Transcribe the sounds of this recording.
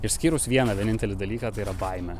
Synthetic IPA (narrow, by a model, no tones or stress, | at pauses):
ɪʃʲsʲkʲiːɾʊsʋʲiɛnɑʋʲiɛnʲɪnʲt̪ʲɛlʲɪd̪ɐlʲiːkɑːt̪ɐɪiːɾɐbɐɪmʲɛ